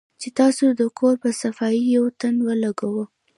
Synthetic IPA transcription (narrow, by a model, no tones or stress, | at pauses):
t͡ʃet̪ɑsod̪əkʰoɾpəsafɑijawt̪anwəlaɡawə